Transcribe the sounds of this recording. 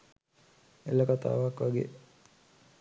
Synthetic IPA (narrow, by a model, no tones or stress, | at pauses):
eləkat̪a̰ːʋakʋaɡḛ